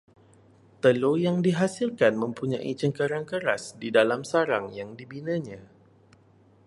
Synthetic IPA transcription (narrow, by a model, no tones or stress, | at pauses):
t̪əlojaŋdiɦasilkanmə̃mpuɲãʔit͡ʃəŋkaɾaŋkəɾasdidalamsaɾaŋjaŋdibinãɲã